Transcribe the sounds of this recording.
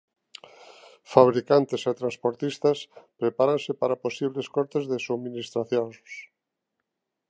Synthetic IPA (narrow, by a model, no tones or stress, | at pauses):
faβ̞ɾikant̪eset̪ɾãnspoɾt̪ist̪aspɾepaɾansɪpaɾaposiβ̞leskɔɾt̪ezðesuβminist̪ɾaθjoss